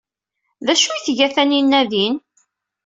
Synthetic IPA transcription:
ðæʃujθʝæθæninːæðin

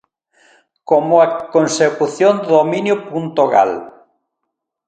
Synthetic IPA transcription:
komʊakonsekuθjond̪omĩnjʊpunt̪oɣa̰l

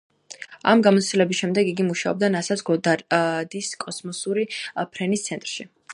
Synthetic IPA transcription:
a̰mɡamɔt̪st̪ilɛbisʃɛmd̪ɛɡiɡimuʃaɔb̚d̪anasasɡɔd̪ad̪iskʼɔsmɔsuɾipʰɾɛnist̪sʰɛnt̪ʼɾʃi

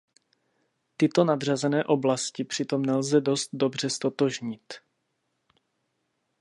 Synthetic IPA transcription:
t̪ɪt̪o̞nad̪r̝azɛnɛːʔo̞blascɪpr̝̥ɪt̪o̞mnɛlzɛdo̞st̪̚do̞br̝ɛst̪o̞t̪oʒɲɪt̪

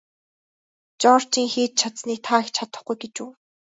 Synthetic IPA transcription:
t͡ɕɔr̥t͡ɕiːŋxeːt̪̚t͡ɕʰat̪sniːk̚t̪ʰaːxt͡ɕʰat̪ə̆χɡujɡet͡ɕuː

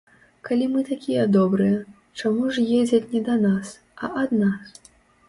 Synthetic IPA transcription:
kalʲimɨt̪akʲijɐd̪ɔbɾɨjɛ | t͡ʂamuʐjed͡zʲɐt͡sʲnʲɛd̪ɐnas | ɐʔɐd̪nas

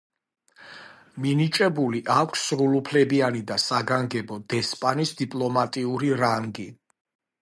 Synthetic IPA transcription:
minit͡ʃʼɛbuliʔakʷʰsɾulupʰlɛbianid̪asaɡaŋɡɛbɔd̪̥ɛspʼanisd̪ipʼlɔmat̪ʼiuɾiɾaŋɡi

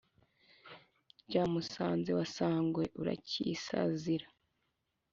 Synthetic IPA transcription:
ɟaːmusaːnze̞wasaːŋɡwe̞ʔuɾa̰cḭːsa̰ziɾḁ

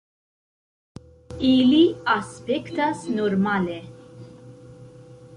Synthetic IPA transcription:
iːliɐspɛkt̪ɐsnɔɾmɐːlɛ

